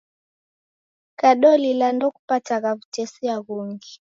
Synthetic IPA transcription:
kaɗɔlilandɔku̥pataɣaβutɛsiaɣuŋɡi

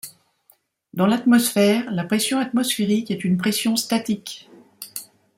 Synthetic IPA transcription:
d̪ɑ̃lat̪mɔsfɛːʁlapχɛsjɔ̃at̪mɔsfeʁikɛt̪ynpχɛsjɔ̃st̪at̪ik

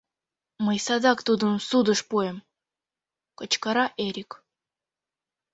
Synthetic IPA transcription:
mɤjsɑd̪ɑkt̪ud̪ɤ̆msud̪əʂpuem | kɤ̆t͡ɕkɑɾɑʔeɾʲik

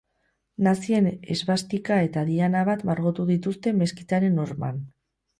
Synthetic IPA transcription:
nasie̞ne̞̰zβast̪ikae̞t̪aðianaβat̪maɾɣo̞t̪uðit̪ust̪e̞me̞skit͡saɾe̞no̞ɾma̰n

